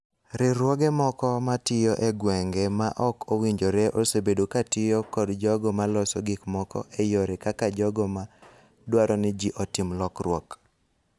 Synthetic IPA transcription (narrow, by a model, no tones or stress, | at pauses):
ɾɪɾwɔɡɛmɔkɔmatɪjoʔeɡwɛŋɡɛmaʔɔkʰowiɲd͡ʒoɾeʔosebedokatɪjɔkɔdd͡ʒɔɡɔmalɔsɔɡikmɔkɔ̰ʔejoɾɛkakad͡ʒɔɡɔma | dwaɾɔnɪd͡ʒiʔɔtɪmlɔkrwɔk